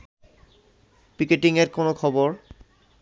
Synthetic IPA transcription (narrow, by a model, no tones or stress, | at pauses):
pikeʈiŋeɾkonokʰɔboɾ